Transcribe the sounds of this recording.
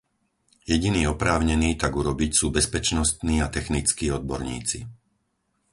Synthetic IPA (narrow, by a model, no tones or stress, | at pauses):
jɛɟiniːɔpɾaːʊɲɛniːt̪aɡuɾɔbicsuːbɛspɛt͡ʃnɔst̪niːat̪ɛxnit͡skiːɔd̪̚bɔɾɲḭːt͡sḭ